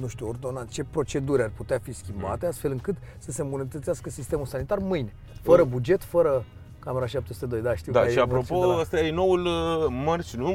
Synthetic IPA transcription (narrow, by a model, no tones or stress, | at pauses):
nuʃt̪uord̪o̞nat͡ʃe̞pɾo̞t͡ʃe̞d̪uɾʲarʲput̪eafiskʲimba̰t̪e̞ast̪fe̞lɨŋkɨt̪səse̞mbunət̪ət̪siaskəsist̪e̞mulsanit̪armɨjne | fəɾəbud͡ʒe̞t̪fəɾə | kame̞ɾaʃap̚t̪esu̥t̪e̞d̪o̞jd̪aʃt̪iwd̪aeiaɾopoəst̪ajeno̞wulmərt͡ʃnu